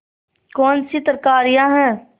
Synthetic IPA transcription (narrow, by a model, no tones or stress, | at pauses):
kɔːnsit̪əɾkaːɾijãɦɛ̃ː